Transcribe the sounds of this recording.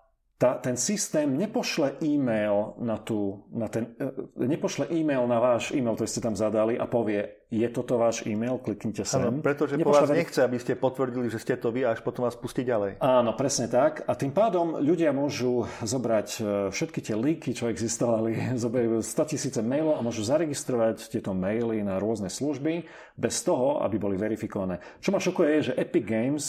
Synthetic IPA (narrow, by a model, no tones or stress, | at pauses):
t̪aːt̪ɛnsist̪ɛːmɲɛpɔʃlɛʔiːmɛjlnat̪uːnat̪ɛnɲɛpɔʃlɛʔiːmɛjlnaʋaːʒiːmɛjlkt̪ɔɾiscɛt̪amzad̪aliʔapɔʋɪɛ | jɛt̪ɔt̪ɔʋaːʒiːmɛjlklikɲcɛsɛmpɾɛt̪ɔʒɛɲɛpɔpɔʃaɛɛɲɛxt͡sɛabiscɛpɔt̪ʋr̩ɟiliʒɛscɛt̪ɔʋiaaʃpɔt̪ɔmʋaːspusciɟalɛjaːnɔpɾɛsɲɛt̪akat̪impaːd̪ɔmʎuɟɪamʊɔʒuzɔbɾacfʃɛt̪kit̪ɪɛliŋkit͡ʃɔɛɡzist̪ɔʋalizɔbajuːst̪ɔcisiːt͡sɛmɛjlɔʊamʊɔʒuzaɾɛɡist̪ɾɔʋact̪ɪɛt̪ɔmɛjlinaɾʊɔznɛsluʒbi | bɛst̪ɔɦɔa̰bibɔliʋɛɾifikɔʋanɛː | t͡ʃɔmaʃɔkujɛjɛʒɛʔɛpiɡɡɛjms